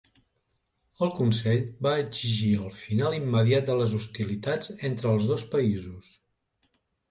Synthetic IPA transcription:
əlˠkunsɛʎbaəɡziʒiəlˠfinalˠimːəðiat̪̚d̪ələzust̪ilit̪ad͡zent̪ɾəːlˠzðospəizus

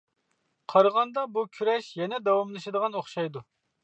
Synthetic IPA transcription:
qʰɑɾʁɑnd̪ɑbukʲʰyɾɛʃjɛnɛd̪ɑwɑmlˠɨʃɨd̪əʁɑnoχʃɑjd̪u

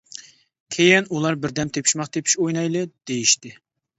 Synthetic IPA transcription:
kʲʰejɪnulˠɑɾbɪɾd̪ɛmt̪ʰepʰi̥ʃmɑqt̪ʰepʰi̥ʃojnɑjlˠɨd̪̥ejiʃt̪ɪ

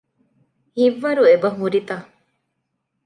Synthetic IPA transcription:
hiʋːɐɾuebɐɦuɾit̪a

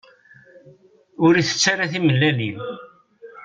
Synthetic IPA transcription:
ʊɾiθə̥t͡sːaɾaθiməlːælin

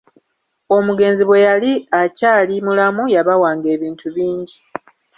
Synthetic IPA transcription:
o̞muɡe̞ːnziβwe̞jaliacaːlimulamujaβawaːŋɡe̞ːβiːntʰuβiːɲɟi

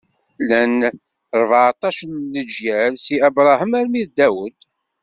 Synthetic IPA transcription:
læn | ɾˤvʕt̪ˤɑʃənləd͡ʒjælsiæbɾˤɑhəmæɾmiðd̪æwəd̪

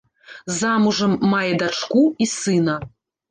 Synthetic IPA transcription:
zamuʐɐmːajɛd̪at͡ʂkuisɨnɐ

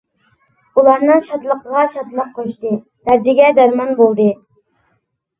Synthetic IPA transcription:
ulˠɑɾnɨŋʃɑt̪lˠəqəʁɑʃɑd̪lˠəqqʰːoʃt̪ɨ | d̪æɾd̪ɪɡʲɛd̪ɑɾmɑnbolˠd̪ɨ

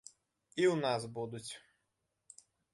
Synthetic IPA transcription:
iwnasbud̪ʊt͡sʲ

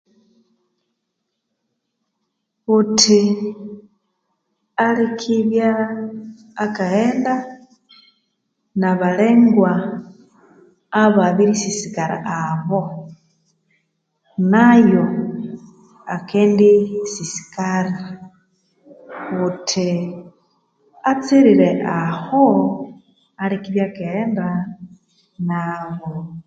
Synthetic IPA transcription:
utʰi | alikʰiβjaː | kaeːnda | naβaleŋɡwa | βaβiɾisisikaɾa̰ʔaβo | najo | akendisisi̥kaɾi | utʰi | at͡siɾiɾeʔaho | alikiβjakenda | naβo

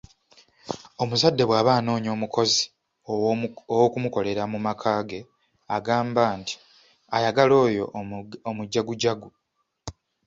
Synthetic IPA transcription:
o̞muzadːe̞βwaːβaːno̞ːɲo̞ːmuko̞zi | owokumuko̞le̞ɾamumakʰaːɡe̞ | aɡaːmbaːnti̥ | ajaɡalo̞ːjo̞̰omuɟːaɡuɟaɡu

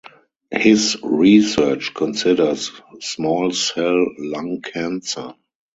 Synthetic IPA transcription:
hɪsɹisɜ˞t͡ʃkʰɔ̃nsɪdə˞ssmɔːlsɛllãŋkʰæ̃nsə˞

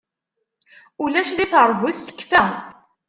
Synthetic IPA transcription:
ulæʃliθəɾˤvʊθθə̥kːfæ

